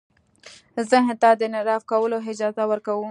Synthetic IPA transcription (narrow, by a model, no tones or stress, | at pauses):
zəɦɪt̪ɑd̪ənɪɾɑfkawəloɦɪd͡ʒɑzawəɾkawu